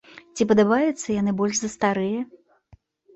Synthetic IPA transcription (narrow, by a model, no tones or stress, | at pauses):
t͡sʲipɐd̪abajɛt̪sːɐjanɨbɔlʲʂzɐst̪aɾɨjɐ